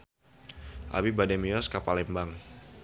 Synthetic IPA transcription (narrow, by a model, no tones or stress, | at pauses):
ʔa̰bibadɛmiɔskapalɛmbaŋ